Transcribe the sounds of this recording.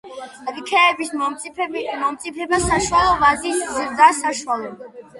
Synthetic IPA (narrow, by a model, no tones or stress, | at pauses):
ɾikʰɛːbis | mɔmt̪sʼipʰɛbasaʃualˠɔvazisziɾd̪aːsaʃualˠɔ